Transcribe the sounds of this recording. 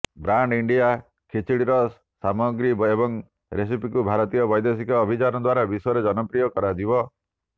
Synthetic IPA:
bɾaɳɖiɳɖija | kʰit͡ʃʰiɽiɾɔ | samɔɡɾibebɔŋ | ɾes̬ipikubʱaɾɔt̪ijɔbɔjd̪es̬ikɔːbʱit͡ʃanɔd̪waɾabisɔjɔɾed͡ʒɔnɔpɾijɔkɔɾad͡ʒibɔ

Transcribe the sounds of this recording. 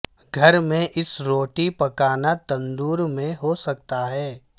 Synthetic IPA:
ɡʱɐɾmẽʔɪsɾoːʈipɐkaːnat̪ɐ̃nd̪uːɾmẽɦosɐk̚t̪aɦɛː

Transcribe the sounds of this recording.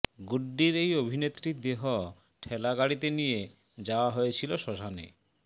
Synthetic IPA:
ɡuɖːiɾejobʱinet̪ːɾid̪eɦo | ʈʰɛlaɡaɽit̪enije | d͡ʑaoaɦoet͡ɕʰiloʃɔʃanḛ

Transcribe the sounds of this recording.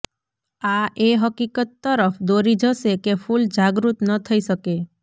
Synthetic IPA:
aʔeɦəkikət̪ːəɾəpd̪oɾid͡ʒəsekepʰuld͡ʒaɡɾut̪nət̪ʰəiʃəke

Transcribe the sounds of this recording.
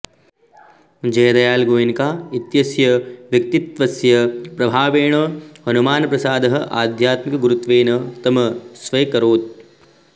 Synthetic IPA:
d͡ʒɐːd̪ɐjaːlɡoːinkaːit̪jɐsjɐʋjɐk̚t̪it̪ʋɐsjɐpɾɐbʱaːʋeːɳ̃ɐhɐnumaːnɐpɾɐsaːd̪ʱɐɦɐ̆ʔaːd̪ʱjaːt̪mikɐɡuɾut̪ʋeːnɐt̪ɐmɐsʋɐjkɐɾoːt̪̚

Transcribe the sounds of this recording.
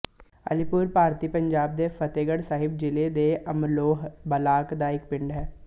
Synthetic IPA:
ə̰lɪpʊːɾpaːɾt̪iːpə̃ɲd͡ʒaːb̚d̪efʰət̪eːɡəɽsaːɦɪb̚d͡ʒɪled̪eʔəmloːɦbəlaːkd̪aɪk̚pɪ̃ɳɖɦɛː

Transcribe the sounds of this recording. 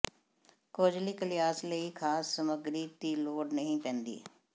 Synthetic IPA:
koːd͡ʒliːkəlɪjaːsləiːkʰaːsːəməɡɾiːt̪iːloːɖnəɦĩpɛ̃ːnd̪ḭː

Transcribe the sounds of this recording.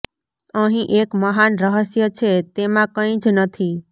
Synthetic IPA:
əɦĩʔekməɦanɾəɦəsjət͡ʃʰet̪emãkə̃ĩd͡ʒnət̪ʰi

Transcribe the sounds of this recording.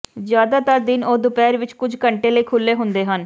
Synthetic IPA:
zjaːd̪aːt̪əɾd̪ɪnoːd̪ʊpɛːɾʋɪt͡ʃkʊd͡ʒʱkəɳʈeːləiːkʰʊlːeːɦʊnd̪eːɦən

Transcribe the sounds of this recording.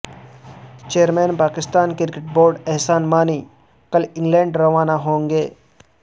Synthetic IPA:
t͡ʃejəɾmɛːnpaːkɪst̪aːnkɪɾkɪʈ̚boːɾɖɛɦsaːnmaːni | kɐəlɪ̃ŋɡlɛ̃ːɳɖɾɐʋaːnaɦõːŋɡeː

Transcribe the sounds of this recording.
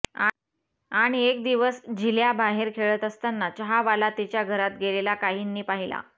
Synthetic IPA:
a | aɽ̃iek̚d̪iʋəsd͡ʑiljabaɦeɾkʰeɭət̪əst̪anːat͡ɕəɦaʋalat̪it͡ɕjaɡʱəɾat̪ɡelelakaɦiːnːiːpaɦila̰

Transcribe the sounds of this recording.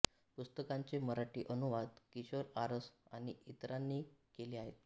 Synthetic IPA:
pust̪əkaɲt͡seməɾaʈiːʔənuʋad̪kiɕəɾaɾəsaɽ̃iʔit̪ɾanːiːkeliːaɦet̪

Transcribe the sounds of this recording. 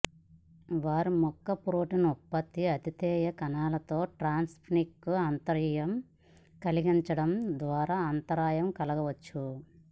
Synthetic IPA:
ʋaːɾumɔkːɐpɾoːʈinɔpːɐt̪ːiɐt̪it̪ɛːjɐkɐnaːlɐt̪o̞ːʈɾaːnspʰnikːuaːnt̪ɐɾjɐm | kɐliɡiɲt͡ʃɐɽɐmd̪ʋaːɾaːɐːnt̪ɐɾaːjɐmkɐlɐɡɐʋɐt͡ʃːu

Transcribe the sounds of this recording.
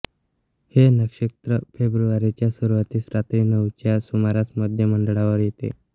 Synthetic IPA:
henəkʂit̪ɾəfebɾuʋaɾit͡ɕjasuɾʋət̪iːsɾat̪ɾiːnəʋt͡ɕjasumaɾat͡sməd̪ʱjəməɳɖɭaʋəɾjet̪ḛ

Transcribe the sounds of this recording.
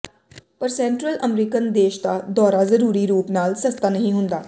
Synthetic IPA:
pəɾsɛ̃ːɳʈɾəlʔəmɾiːkənd̪eːʃd̪aːd̪ɔːɾaːzəɾuːɾiːɾuːpnaːlsəst̪aːnəɦĩːɦʊnd̪aː

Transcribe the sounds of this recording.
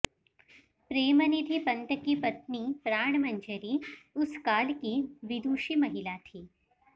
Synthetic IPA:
pɾeːmənid̪ʱipɐ̃nt̪əkipɐt̪nipɾaːɳ̃mɐ̃ɲd͡ʒəɾiʊskaːlkiʋɪd̪uːʃimɐɦɪlat̪ʰiː

